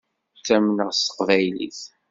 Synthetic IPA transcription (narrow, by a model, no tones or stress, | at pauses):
sæmnəʁst̪ə̥qvæjlḭθ